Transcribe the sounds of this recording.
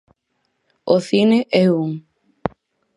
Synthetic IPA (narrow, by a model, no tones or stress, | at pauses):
oθineʔeuŋ